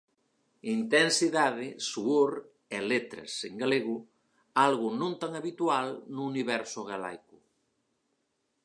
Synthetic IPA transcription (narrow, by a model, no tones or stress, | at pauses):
int̪ensiðaðesuoɾ | elet̪ɾɐ̰seŋɡaleɣu | alɣunõnt̪aŋaβit̪ualnuːniβɛɾsoɣala̰jku